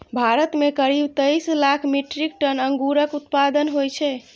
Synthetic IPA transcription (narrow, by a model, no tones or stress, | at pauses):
bʱaɾət̪mekəɾibt̪əjslakʰmiʈɾikʈənəŋɡuɾəkut̪pad̪ənɦojt͡ʃʰɛ